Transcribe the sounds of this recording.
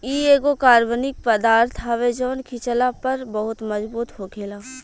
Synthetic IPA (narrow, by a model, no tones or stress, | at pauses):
iːeːɡokaːɾʋənɪk̚pəd̪aːɾt̪ʰɦɐʋed͡ʒɔːnkʰit͡ʃəlapɐɾbɐɦʊt̪mɐzbuːt̪ɦokʰeːlaː